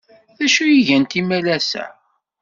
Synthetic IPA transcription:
θæʃujiʝænt̪imælæsæ̰

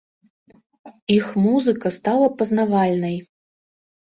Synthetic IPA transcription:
ixmuzɨkɐst̪alˠɐpɐznavalʲnɐj

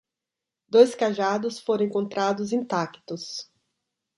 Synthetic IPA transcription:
d̪ojskaʒad̪ʊsfoɾ̃ẽkõnt̪ɾad̪ʊzĩt̪akt̪ʊs

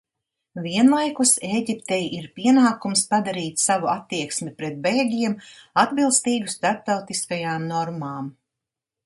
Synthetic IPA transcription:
viɛnlˠajkuseːɟipt̪ɛjʔiɾpiɛnaːkumspad̪aɾiːt̪ssavuat̪ːiɛksmʲipɾɛt̪̚bɛjɡʲiɛmad̪bilˠst̪iːɡust̪aɾp̚t̪awt̪iskajaːmnɔɾmaːm

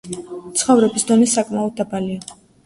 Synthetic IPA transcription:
t̪sʰχɔvɾɛbisd̪ɔnisakʼmaɔd̪̚ːabalia

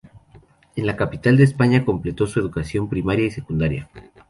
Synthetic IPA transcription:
e̞nlakapit̪ald̪eːspaɲako̞mple̞t̪o̞sue̞ðukasjo̞mpɾimaɾjaise̞kund̪aɾja̰

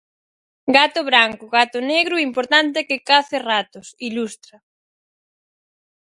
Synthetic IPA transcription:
ɡat̪ʊβɾaŋkʊɣat̪ʊneɣɾʊimpoɾt̪ant̪ɪkɪkaθerat̪ʊsilust̪ɾɐ

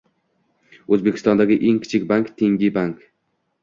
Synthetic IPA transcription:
ɵzbekʰʲɪ̥st̪ɒnd̪aɡʲɪʔe̞ŋkʲʰɪ̥t͡ʃʰɪkʲbaŋkt̪ʰeŋɡʲɪbaŋk

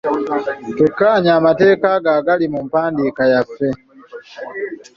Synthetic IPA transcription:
kekːaːɲaːmate̞ːkaɡaːɡalimumpaːndiːkajafːe̞

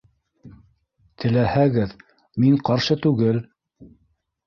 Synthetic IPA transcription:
t̪ʰɘ̆læhæɡɘð | miɴqɑɾʃɤt̪ʉɡɘl

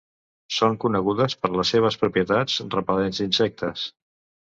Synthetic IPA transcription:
soŋkunəɣuðəspəɾləsːeβ̞əspɾupiət̪ad͡zrəpəlenzd̪insɛk̚t̪ʰəs

